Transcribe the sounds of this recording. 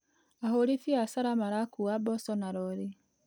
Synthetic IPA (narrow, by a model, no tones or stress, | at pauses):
ahoɾifiasaɾamaɾakuabɔsɔnaɾɔɾe